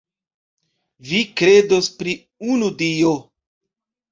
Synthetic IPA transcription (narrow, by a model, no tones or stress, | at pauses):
vikɾe̞do̞spɾi | unudio